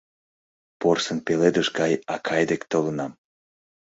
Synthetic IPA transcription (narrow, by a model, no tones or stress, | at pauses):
porsənpeled̪əʃɡɑjɑkʰɑjd̪ekt̪olənɑm